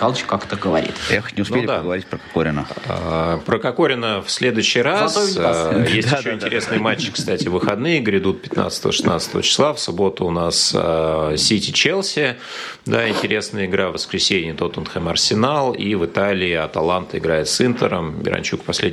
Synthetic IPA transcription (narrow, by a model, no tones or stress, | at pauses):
alˠt͡ɕkakt̪əɡəʋɐɾʲḭt̪jaxo̥tʲnʲɪʊsnpelʲɪd̪aəɡəvɐɾʲit̚ʲpɾəkakoɾʲɪnəəpɾəkɐko̞ɾʲɪnəfsʲlʲe̞d̪ʊjʏɕːɪjɾasʲjesʲtʃɕːoɪnʲt̪ʲɪɾʲe̞snɨjəmat͡ɕːɪ̥kst̪atʲɪvɨxɐd̪nɨjəɡɾʲɪd̪ut̪̚pʲɪ̥t̪na̰t̪st̪əvə̰ʂɨ̥snat̪sə̥t̪əvə̰t͡ɕɪ̥slˠafsʊbo̞t̪ʊʊnas | sʲitʲɪt͡ɕelˠsʲɪ | d̪aɪnʲtʲɪɾʲe̞snəjəɪɡɾavəskɾʲɪsʲenʲɪjət̪o̞t̪ənxəmɐrsʲɪnalˠivɨt̪alʲɪɪɐt̪ɐlˠant̪əɪɡɾajɪt̪sɨnt̪əɾəmbʲɪ̰ɾɐ̰nʲt͡ɕukpɐsʲlʲed